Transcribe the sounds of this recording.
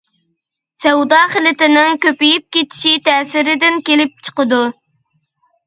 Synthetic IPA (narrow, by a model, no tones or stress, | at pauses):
sɛwd̪ɑχəlɪt̪ɪnɪŋkʲøpijip̚kʲet̪ʰɪ̥ʃit̪ʰɛːsɪɾɪd̪ɪnkʲelɪp̚t͡ʃʰə̥qəd̪u